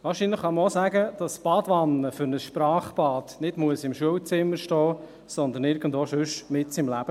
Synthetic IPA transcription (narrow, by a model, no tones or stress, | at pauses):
ʋɑːɾʃinləχːɑməosæɡəd̥ɑsb̥ɑːdʋɑnːəfʏɾnəsʃpɾɑːχb̥ɑːdnɪdmuəsɪmʃuəwt͡sɪmːəɾʃtɔː | sɔnd̪ənɪːɾɡən̩doʃʉʃmɪtsɪmlæb̥ə